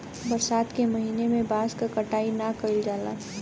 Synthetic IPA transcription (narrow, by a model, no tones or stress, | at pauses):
bɐɾsaːt̪kemɐɦiːnemẽbaːskakəʈaːinakəild͡ʒaːla̰ː